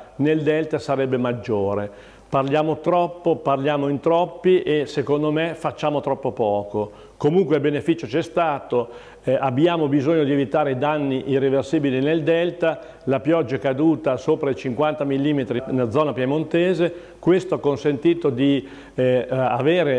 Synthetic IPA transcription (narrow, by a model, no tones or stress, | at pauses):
neld̪ɛlt̪asaɾɛbːemad͡ʒːoːɾe | parljaːmot̪ɾɔpːoparljaːmoint̪ɾɔpːiʔesekond̪omefat͡ʃːaːmot̪ɾɔpːopɔːko | komuŋkweilbenefit͡ʃot͡ʃɛst̪aːt̪o | abjaːmobizoɲːod̪ievit̪aːɾeid̪anːiʔirːeversiːbilineld̪ɛlt̪a | lapjɔd͡ʒːaɛkad̪uːt̪asoːpɾait͡ʃiŋkwant̪amilːiːmet̪ɾinlad̪zːɔːnapjemont̪eːze | kwest̪oakːonsent̪iːt̪od̪i | aveːɾe